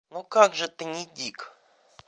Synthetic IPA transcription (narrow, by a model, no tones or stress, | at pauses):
nukaɡʐɨt̪ɨnʲɪdʲik